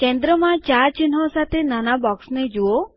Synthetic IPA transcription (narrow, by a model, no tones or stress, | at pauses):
kend̪ɾɔmãt͡ʃaɾt͡ʃinɦɔ̃sat̪ʰenanabɔksned͡ʒuo